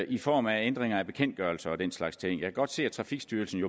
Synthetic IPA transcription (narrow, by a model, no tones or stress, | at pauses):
ifɒ̰ːmæend̥ʁeŋɐæb̥e̝kʰen̰d̥̚ɡ̥ɶɐlsɐɒ̽d̥en̰slɑ̈ɡ̥st͡sʰe̝ŋ̰jɑ̈kʰæɡɒ̽d̥se̝̰ːæt͡sʰʁɑ̈fiɡ̥sd̥yɐlsn̩jo̝